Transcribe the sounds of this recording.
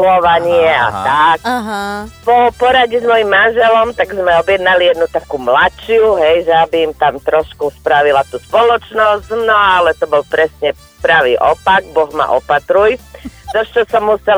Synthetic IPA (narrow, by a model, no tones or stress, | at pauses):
ɔʋaɲɪɛa̰t̪ak | pɔpɔɾaɟɛzmɔjimːanʒɛlɔmt̪aɡzmɛɔbjɛd̪nalijɛd̪nut̪akumlat͡ʃɪuɦɛjʒɛabiːmt̪amt̪ɾɔʃkuspɾaʋilat̪uːspɔlɔt͡ʃnɔsznɔalɛt̪ɔbɔlpɾɛsɲɛ | pɾaʋḭːʔɔpaɡbɔɣma̰ʔɔ̰pat̪ɾujd̪ɔʃt͡ʃɔsɔmːusɛ